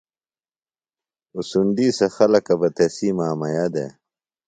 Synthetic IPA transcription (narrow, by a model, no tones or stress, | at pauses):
usund̪iːsɐxɐlɐkɐbɐt̪esiːmaːmɐjad̪ḛ